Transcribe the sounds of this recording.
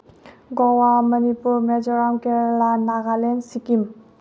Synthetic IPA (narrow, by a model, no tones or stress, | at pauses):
ɡɔwamənipuɾmed͡ʒɔɾamkɛɾlanaɡalensikim